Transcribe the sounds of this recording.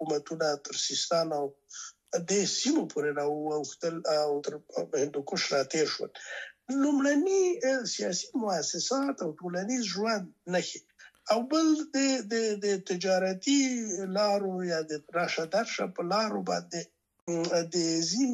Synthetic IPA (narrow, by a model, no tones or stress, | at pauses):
umat̪unat̪əɾsist̪ɑnaw | d̪esimopʰoɾeɾɑuawxt̪əlwt̪əɾhɪnd̪okʊʃɾɑt̪eɾʃwə̰llumɽanisijɑsi̥mʊasɪsɑt̪awʈolanizʒwand̪naxe | awbəld̪əd̪əd̪ət̪ɪd͡ʒɑɾat̪ilɑɾojɑd̪əɾɑʃad̪aɾʃa̰pəlɑɾobɑnd̪e | d̪əzin